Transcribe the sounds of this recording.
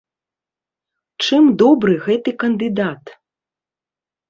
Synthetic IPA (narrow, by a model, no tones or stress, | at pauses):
t͡ʂɨmd̪ɔbɾɨɣɛt̪ɨkɐnd̪ɨd̪at̪